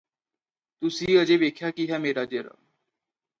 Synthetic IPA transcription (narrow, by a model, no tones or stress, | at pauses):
t̪ʊsiːəd͡ʒeːʋeːkʰjakiɦɛːmeːɾad͡ʒeɾa̰